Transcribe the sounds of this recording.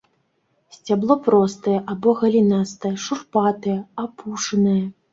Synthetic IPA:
sʲt͡sʲablˠɔpɾɔst̪ɐjɛʔabɔɣɐlʲinast̪ɐjɛʂurpat̪ɐjɛapuʂɐnɐjɐ

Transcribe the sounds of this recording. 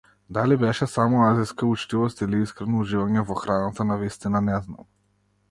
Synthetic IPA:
d̪alibɛʃɛsamɔaziskaut͡ʃt̪ivɔst̪iliiskɾɛnɔuʒivaɲɛvɔxɾanat̪anavist̪inanɛzna̰m

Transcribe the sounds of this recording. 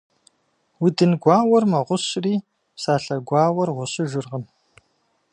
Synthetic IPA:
wʊdɨnɡʷaːwɐrmɐʁʷʊɕriː | saːɬɐɡʷɑːwɐrʁʷʊɕɨʒɪrʁəm

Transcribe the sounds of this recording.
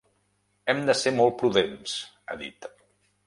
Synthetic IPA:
ɛmd̪əsemɔlˠt̪̚pɾuðens | ə̰ðḭt̪

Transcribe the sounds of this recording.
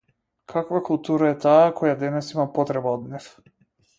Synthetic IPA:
kʰakvakulˠt̪uɾaɛt̪aːkʰɔjad̪ɛnɛsimapɔt̪ɾɛbaɔd̪nif

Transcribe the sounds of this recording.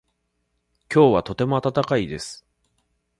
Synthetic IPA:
kʲo̞ːβat̪o̞t̪e̞mo̞at̪at̪akaid̪e̞sɨ̥

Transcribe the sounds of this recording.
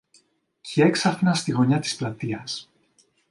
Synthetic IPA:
cieksɐfnɐst̪iɣo̞ɲɐt̪i̥splɐt̪iɐs

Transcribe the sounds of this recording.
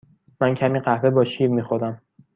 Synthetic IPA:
mæncʰæmiːɢæhve̞bɒːʃiːɾmiːxoɾd̪æm

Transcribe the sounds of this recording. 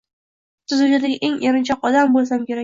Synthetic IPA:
t̪ʰɪzʊd͡ʒad̪aɡʲaʔeŋeɾɪnt͡ʃʰɒqɒd̪ambolˠs̬amkʲe̞ɾa

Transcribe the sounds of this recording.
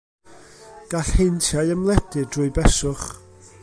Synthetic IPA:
ɡ̥aɬhentʰjajəmlˠɛd̥ɪdrʊɨbɛsʊχ

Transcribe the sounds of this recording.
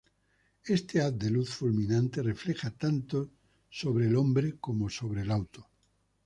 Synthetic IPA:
est̪eat̚d̪eluθfulmĩnãnt̪ere̞fle̞xat̪ant̪o | soβɾeːlõmbɾekomoso̞βɾelawt̪o

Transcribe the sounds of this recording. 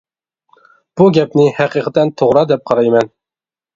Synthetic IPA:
b̥uɡʲɛpnɪhæqiqʰɨt̪ʰɛnt̪ʰoʁɾɑd̪ɛp̚qʰɑɾɑjmɛn

